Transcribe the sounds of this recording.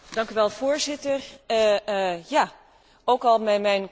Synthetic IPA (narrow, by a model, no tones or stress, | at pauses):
dɑŋkyʋɛlˠv̥ʊːɹzɪtər | jaː | owkɑlˠmɛmɛjn